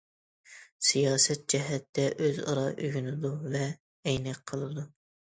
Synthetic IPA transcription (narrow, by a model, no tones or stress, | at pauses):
sijɑːsɛt̪̚d͡ʒɛɦɛt̪ːɛʔøzɑ̰ɾɑʔyɡʲynɪd̪uvɛː | jnɛk̚qʰəlˠɨd̪u